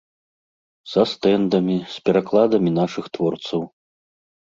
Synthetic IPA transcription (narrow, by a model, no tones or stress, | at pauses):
zɐst̪ɛnd̪ɐmʲisʲpʲɛɾaklˠad̪ɐmʲinaʂɨxt̪vɔrt̪sɐw